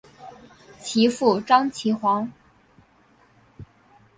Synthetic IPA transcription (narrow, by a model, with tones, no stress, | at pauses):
t͡ɕʰi˧˥fu˥˩ʈ͡ʂɑ˥ŋt͡ɕʰi˧˥xwɑ˧˥ŋ